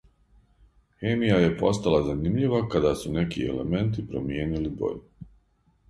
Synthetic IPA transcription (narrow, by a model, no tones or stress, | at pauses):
xemijaje̞po̞st̪alazanimʎiʋakad̪asune̞kiḛlḛme̞nt̪̬ipɾo̰mje̞ːnilibo̰ʎ